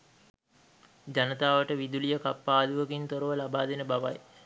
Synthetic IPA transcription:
d͡ʒanət̪aːʋəʈəʋid̪ulijəkapːaːd̪uʋəkint̪oɾəʋəlabaːd̪enəbaʋaj

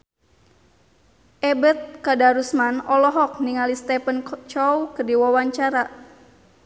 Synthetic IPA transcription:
ʔɛbət̪̚kadaɾusmanɔlɔɦɔk̚niŋalist̪ɛpənt͡ʃɔwkərdiwawaɲt͡ʃaɾa

